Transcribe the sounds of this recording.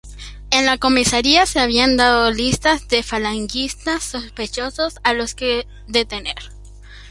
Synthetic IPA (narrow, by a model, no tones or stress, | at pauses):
e̞nlako̞misaɾiase̞aβ̞iand̪aðolist̪azd̪e̞falaŋɡist̪asːo̞spe̞t͡ʃo̞so̞salo̞ske | ðe̞t̪e̞nḛɾ